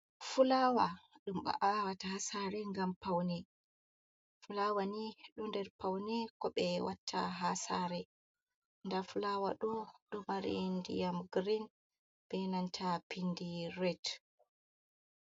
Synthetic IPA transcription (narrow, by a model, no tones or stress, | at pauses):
fulawaɗumɓa̰ʔawatahasaɾɛŋɡampawnɛ | fulawaniɗundɛɾpawnɛkɔɓɛwatʰːa̰ɦasaɾɛ | ndafulawa̰ɗɔɗumaɾḭndijamɡɾin | b̥ɛnantʰapindirɛt